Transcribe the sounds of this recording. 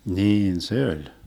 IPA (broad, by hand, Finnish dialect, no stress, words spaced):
niːn se olʲ